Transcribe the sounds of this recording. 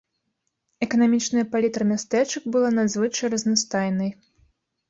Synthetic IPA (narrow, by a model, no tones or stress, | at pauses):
ɛkɐnamʲit͡ʂnɐjɐpalʲit̪ɾɐmʲast̪ɛt͡ʂɨkbɨlˠanazvɨt͡ʂɐjrɐznast̪ajnɨj